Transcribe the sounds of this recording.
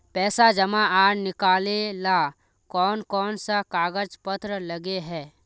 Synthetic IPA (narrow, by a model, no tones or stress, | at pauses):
pɛːsad͡ʒɐmãaːɾnɪkaːlela | kɔːnkɔːnsakaːɡəd͡ʒpət̪ɾələɡeɦɛː